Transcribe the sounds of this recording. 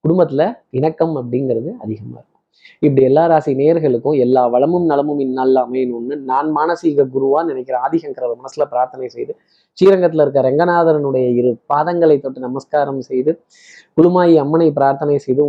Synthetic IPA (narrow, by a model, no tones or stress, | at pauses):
kʊɽʊmbɐt̪ːɪlɐɪnɐkːɐmɐp̬ːɐɽɪŋɡɐɾɐðɯɐðɪɣɐma̰ːɪɾɯkːʊ̥̃ | ɪp̬ːɐɽiɛlːaːɾaːsineːjɐɾɣɐɭɯkːʊ̃ɛlːaːʋɐɭɐmɯmnɐlɐmɯmɪnːɐlːaːmɐɛnːʊnːɯnaːnmaːnɐsiːɣɐɡʊɾɯʋaːnɪnɛkʲːɪɾɐaːðɪɣɐŋkɐɾɐlɐmɐnɐsːɪlɐpɪɾaːɾt̪ɐnɐɪsɛjðɯ | t͡ʃiːɾɐŋɡɐt̪ːɪlɐɪɾɯkːaːɾɐɛŋɡɐnaːðɐɾɐnɯɽɐjɐɪɾɯpaːðɐŋɡɐɭɐɪt̪ːɔʈːɯnɐmɐskaːɾɐmsɛjðɯ | kʊɽʊmaːjiɐmːɐnɐɪpɪɾaːɾt̪ɐnɐɪsɛjðɯ